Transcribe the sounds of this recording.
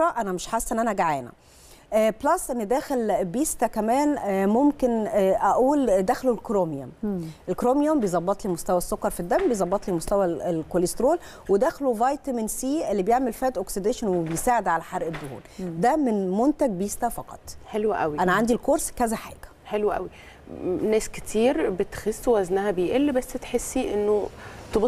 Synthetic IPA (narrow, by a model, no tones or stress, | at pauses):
ɑʔænæmeʃħasːʔenːʔænæʔæɡaʕæːnæ̰ | ʔblæsʔenːid̪æːxelbiːst̪ækæmæːnmomkenʔæʔuːld̪æːxlolkɾomjomʔelkɾoːmjombejzˤɑbːɑt̪ˤlimost̪æwæsːokːɑɾˤfid̪ːæmbejezˤɑbːɑt̪ˤlimost̪æwæelkolest̪ɾoːl | wed̪æxlovɑjt̪æminsiːʔelːibejeʕmelfæːt̪ʔoksid̪eʃænwebejsaːʕed̪ʕalæħɑɾˤʔed̪ːʊhṵːld̪æmenmont̪æɡ̚bejest̪æfɑqɑ̰t̪ˤħelwæʔæwiʔænæʕand̪ilkoɾskæzæħa̰ːɡ̥æ̥ | ħelwæʔæ̰wi | næːske̥t̪ʰiːɾbet̪xesːwwæznæhæbejʔelːbæsːt̪ħesːiʔenːot̪ob